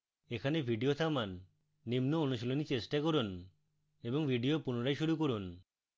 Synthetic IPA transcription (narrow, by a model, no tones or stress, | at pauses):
ekʰanebʱiɖiot̪ʰamanː | imnoonuʃolonit͡ɕesʈakoɾun | eboŋbʱiɖiopunoɾajʃuɾukoɾun